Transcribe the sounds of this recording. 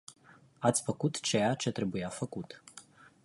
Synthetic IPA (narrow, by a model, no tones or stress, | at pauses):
at̪sʲfəkut̪t͡ʃe̞jat͡ʃe̞t̪ɾe̞bujafəkut̪